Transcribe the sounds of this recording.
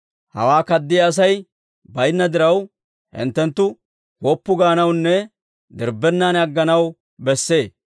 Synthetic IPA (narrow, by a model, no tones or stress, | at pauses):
hɐ̰waːkɐd̪ːɪjɐːs̬ɐj | bɐjnːɐd̪ɪɾɐw | hɪ̰nt̪ːɛnt̪ːʊ | koːpːʊɡaːnɐwnːɛ | d̪ɪɾbːɛnːaːnɐɡːɐnɐw | bɛsːe̞ː